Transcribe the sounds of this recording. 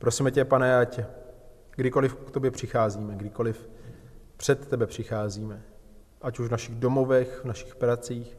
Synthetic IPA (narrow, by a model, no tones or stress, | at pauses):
pɾo̞simɛcɛpanɛacɛ | ɡdɪko̞lɪfkt̪objɛpr̝̥ɪxaːziːmɛɡdɪko̞lɪf | pr̝̥ɛt̪ːɛbɛpr̝̥ɪxaːziːmɛ | ʔacuʒvnaʃɪɣdo̞mo̞vɛxvnaʃɪ̥xpɾat͡siːx